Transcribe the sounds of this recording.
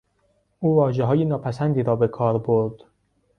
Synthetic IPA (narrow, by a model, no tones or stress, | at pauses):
ʔuːvɒːʒeɦɒːjenɒːpʰæsænd̪iːɾɒːbe̞kʰɒːɾboɾd̪̥